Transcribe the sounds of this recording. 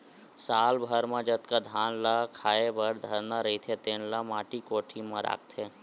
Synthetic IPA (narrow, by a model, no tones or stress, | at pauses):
saːlbʱəɾmãd͡ʒət̪kad̪ʱaːnlakʰaːebʱəɾd̪ʱəɾnaɾəit̪ʰet̪eːnlamaːʈikoːʈʰimãɾʔa̰ːk̚t̪ʰeː